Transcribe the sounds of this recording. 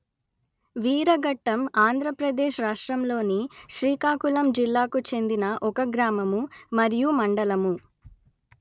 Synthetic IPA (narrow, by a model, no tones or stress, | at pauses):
ʋiːɾɐɡɐʈːɐmaːnd̪ʱɾɐpɾɐd̪eːʃɾaːʂʈɾɐmlo̞ːniʃɾiːkaːkulɐmd͡ʒilːaːkut͡ʃe̞nd̪inɐʔɔkɐɡɾaːmɐmumɐɾijumɐɳɖɐlɐmu